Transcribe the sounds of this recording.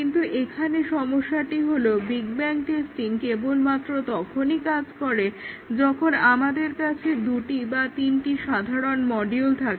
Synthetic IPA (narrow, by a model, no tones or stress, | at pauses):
int̪uʔekʰaneʃɔmoʃːaʈiɦolobiɡbɛŋk̚ʈesʈinkebolmat̪ːɾot̪ɔkʰonikad͡ʑkɔɾe | d͡ʑɔkʰonamad̪eɾkat͡ɕʰed̪uʈibat̪inʈiʃad̪ʱaɾonmɔɖiolt̪ʰake